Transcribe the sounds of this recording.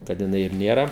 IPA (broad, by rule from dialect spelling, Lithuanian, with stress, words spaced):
kɐt jɪˈnɐɪ ɪr nʲeːˈrɐ